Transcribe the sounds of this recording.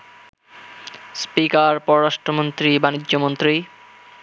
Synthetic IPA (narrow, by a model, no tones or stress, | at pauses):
spikaɾpɔɾoɾaʃʈɾomont̪ɾibanid͡ʑːomont̪ɾi